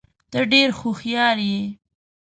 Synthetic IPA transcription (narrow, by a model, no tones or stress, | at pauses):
t̪əɖeɾxoxjɑɾji